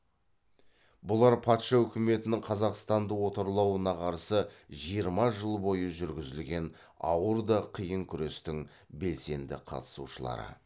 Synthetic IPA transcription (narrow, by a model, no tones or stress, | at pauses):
bʊlˠɑɾpʰɑt̪ʃɑɵkʲɪme̞t̪ɪnɪŋqʰɑzɑqst̪ɑnd̪əwo̞t̪ɑɾlˠɑwənɑqʰɑɾsəʒijəɾmɑʒəlˠbo̞jəʒʏɾɡʲɪzɪlɡʲe̞n | ɑ̰wəɾd̪ɑqʰijəŋkʲʰʏɾe̞st̪ɪŋ | be̞lse̞nd̪ɪ̰qʰɑ̰t̪ə̥suʃəlˠɑ̰ɾə̰